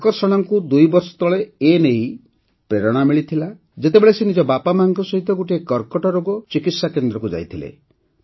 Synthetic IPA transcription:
kɔɾsɔɽ̃ɔŋkud̪ujbɔɾsɔ̥t̪ɔɭeenej | pɾeɾɔɽ̃amiɭit̪ʰila | d͡ʒet̪ebeɭesenid͡ʒɔbapamaŋkɔsɔɦit̪ɔɡoʈiekɔɾkɔʈɔɾoɡɔt͡ʃikit̪sakend̪ɾɔkud͡ʒa̰jt̪ʰilḛ

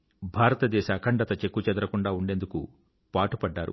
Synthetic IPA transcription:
bʱaːɾɐt̪ɐd̪ɛːʃɐːkʰɐɳɖɐt̪ɐt͡ʃe̞kːut͡ʃɛd̪ɐɾɐkuɳɖaːuɳɖe̞ːnd̪uku | paːʈupɐɖːaːɾṵ

